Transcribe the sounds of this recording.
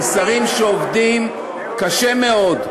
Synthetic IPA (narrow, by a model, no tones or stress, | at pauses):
saʁimʃeovdim | kaʃeme̞o̞d